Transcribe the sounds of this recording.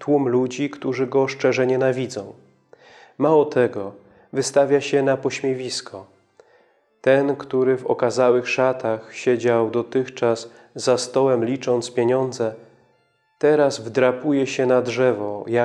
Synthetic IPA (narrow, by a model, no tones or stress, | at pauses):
t̪wumlud͡ʑikt̪uʐɘɡɔʂt͡ʂɛʐɛɲɛnavʲid̪zɔ̃w̃ | mawɔt̪ɛɡɔ | vɘst̪avʲjaɕɛnapɔɕmʲjevʲiskʰɔ | t̪ɛnkt̪uɾɘvɔ̰kazawɘxʂat̪axɕɛd͡ʑawd̪ɔt̪ɘxt͡ʂasː | ast̪ɔwɛmlʲit͡ʂɔnt̪spʲjeɲɔnd̪zɛ | t̪ɛɾazvd̪ɾapujɛɕɛnadʐɛvɔja